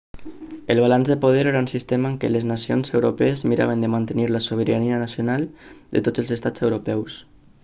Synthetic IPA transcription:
əlˠβ̞alanzðəpoð̞eɾeɾaunsist̪emaːŋkələznasionzewɾopɛːzmiɾa̰β̞ənd̪əmant̪əniɾləsoβəɾaniənasjonalˠd̪ət̪od͡zəlˠzəst̪ad͡zewɾopɛws

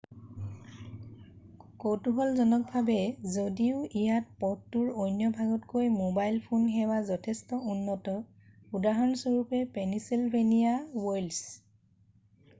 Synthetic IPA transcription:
kotuɦɔlzɔnɔk̚bʱabɛzodiʊijat̚pɔttːuɹojnjɔbʱaɡɔtkojmobajlpʰunxɛwazɔtʰɛstɔunːɔtɔ | udaɦɔnsɔɹupɛpenisilbʱenijawɔjls

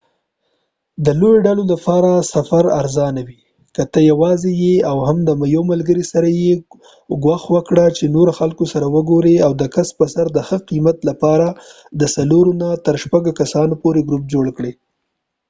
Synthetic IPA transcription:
d̪əlojoɖalolapɑɾasafaɾa̰ɾzɑnawi | kət̪əjawɑzejeawhamd̪əmajomalɡəɾisaɾaje | ɡwɑxwəkɽat͡ʃenoɾaxalkosaɾawəɡoɾeawd̪əkaspəsaɾd̪əxəqimat̪lapɑɾa | d̪əsaloɾonat̪əɾʃpaɡokasɑnopoɾeɡɾup̚d͡ʒoɽkɽe

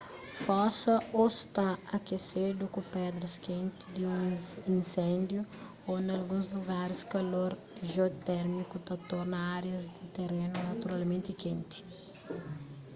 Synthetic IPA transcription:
fɔsɐost̪aɐkesed̪ʊkʊ̃pɛd̪ɾɐskẽnt̪ɪd̪ɪũĩnsẽnd̪ju | onɐlɡũzluɡaɾɪskɐloɾ | ʒeot̪ɛɾmikʊt̪at̪ɔɾnɐaɾjɐzd̪ɪt̪erenʊnɐt̪uɾalmẽnt̪ɪkẽnt̪ɪ̥

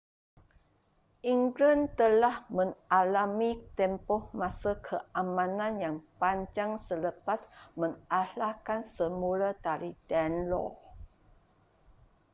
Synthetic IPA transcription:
ʔiŋɡlənt̪əlahmə̃ŋalamit̪ɛmpɔhmãsakʰəʔamãnãnjaŋpaɲd͡ʒaŋsələpasmə̃ŋʔalakansəmulad̪aɾidanlɔ̰

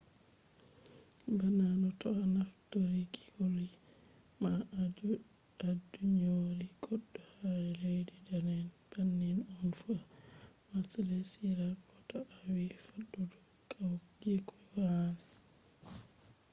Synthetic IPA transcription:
bananɔtɔanaftoɾiɡi̥koli | ma | aduɲoɾiɡɔɗːɔhaɾɛlejdidanɛnb̥anːinɔnfu | masalɛsiɾakʰɔtɔʔawifaɗːɔdɔ | kʰawɡɛkɔwanɛ

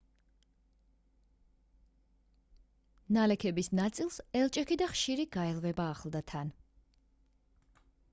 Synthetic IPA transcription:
nalɛkʰɛbisnat̪sʼilˠsɛlˠt͡ʃʼɛkʰid̪aχʃiɾiɡ̥aɛlvɛbaːχlˠd̪at̪ʰan

